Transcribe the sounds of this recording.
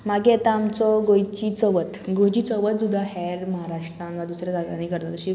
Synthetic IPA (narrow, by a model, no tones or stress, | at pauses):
maɡiɛt̪aːmt͡sɔɡojt͡ɕit͡sɔʋət̪ɡõjt͡ɕit͡sɔʋət̪̚d͡zud̪ʱaɦɛɾməɦaɾaʂʈɾãnʋad̪usɾad͡zaɡaniːkəɾt̪at̪əɕi